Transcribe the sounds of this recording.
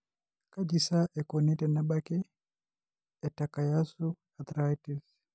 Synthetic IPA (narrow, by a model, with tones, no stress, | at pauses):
ka˦d͡ʒi˨sa˦ʔɛ˨kɔnɛ˦tɛ˨na˦ɓa˦kɛ˦ | ɛ˨taka˨ja˦su˦ | a˨t̪ɾativ